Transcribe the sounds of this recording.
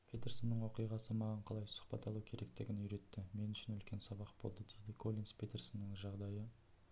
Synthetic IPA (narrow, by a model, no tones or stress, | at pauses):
pʰe̞t̪ʲersonːəɴwo̞qijʁɑsəmɑʁɑɴqʰɑlˠɑjsʊ̥χpɑt̪ɑlˠuwkʲʰe̞ɾʔe̞kt̪eɡʲɪnʏɾe̞t̪ːɪme̞nʏʃɪnʏlkʲe̞nsɑbɑqbo̞̰lˠd̪əd̪ejd̪ɪkʰo̞lʲˠinspʰʲet̪e̞rsɪnːɪŋʒɑʁd̪ɑjə